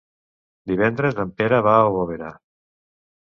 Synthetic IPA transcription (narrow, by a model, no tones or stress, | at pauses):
d̪iβ̞ɛnd̪ɾezlampeɾəβaoβoβ̞eɾa